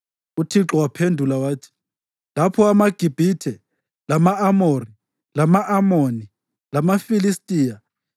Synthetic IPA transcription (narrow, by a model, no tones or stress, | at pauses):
utʰiǁɔwapʰendʱulawaːtʰi̥ | lapʰɔamaɡ̥ʱib̥ʱitʰɛ | lamaamori | lamaʔamoni | lamafilistʼiːja